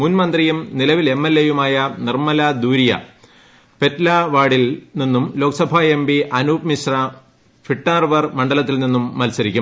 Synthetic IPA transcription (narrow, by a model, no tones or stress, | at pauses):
muːnmɐnd̪rijumnilɐʋile̞mːelːejumaːjɐnirmɐlɐd̪uːɾijɐ̰ | pe̞tlɐʋaːɽilninːumlo̞ːksɐbʱaembiʔɐnuːpmiɕrɐ | fiʈːaːrʋɐrmɐɳɖɐlɐt̪ːilninːumːɐlsɐɾikʲːum